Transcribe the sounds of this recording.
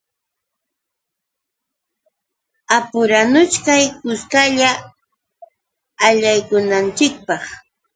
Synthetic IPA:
apʊɾanʊt͡ʃkajkʊskaʎa | ʎajkʊnant͡ʃɪk̚pɑχ

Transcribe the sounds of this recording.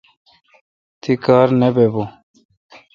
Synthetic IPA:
t̪ikaːɾnebebo

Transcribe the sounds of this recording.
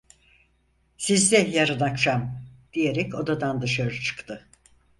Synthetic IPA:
sizd̪ɛjaɾɯnakʃamd̪̥ijeɾɛco̞d̪ad̪and̪ɯʃaɾɯt͡ʃʰɯ̥kt̪ʰɯ

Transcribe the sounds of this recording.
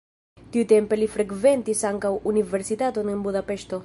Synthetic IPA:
t̪iut̪e̞mpelifɾekve̞nt̪isaŋkawuniveɾsit̪at̪onenbudapeʃt̪o̞

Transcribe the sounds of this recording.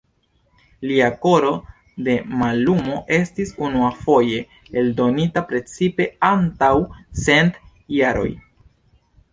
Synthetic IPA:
liako̞ɾo̞ | de̞malumo̞ʔe̞stisunuafo̞je̞ | eldo̞nitapɾe̞t͡sipe̞antawse̞nt | jaɾo̞̰j

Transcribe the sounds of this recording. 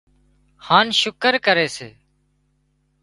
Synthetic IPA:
hãːnʃʊkəɾkəɾeːsḛː

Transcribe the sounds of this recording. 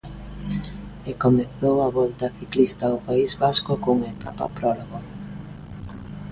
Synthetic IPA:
ekomeθowaβɔlt̪ɐθiklist̪ɐʊpaizβaskokuŋaet̪a̰pa̰pɾɔloɣo

